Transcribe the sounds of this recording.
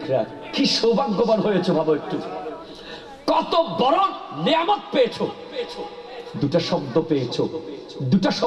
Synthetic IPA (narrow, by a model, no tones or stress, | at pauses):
kʰɾa | kʰiʃowbaŋɡobaɾɦojet͡ɕʰobʱaboek̚ʈu | kɔt̪obɔɾonneamot̪̚peet͡ɕʰo | o | d̪uʈaʃɔbd̪opeet͡ɕʰo | d̪uʈaʃɔ